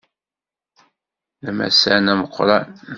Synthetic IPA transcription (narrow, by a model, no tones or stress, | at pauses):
æmæ̰sænæməqʰʷːɾˤɑn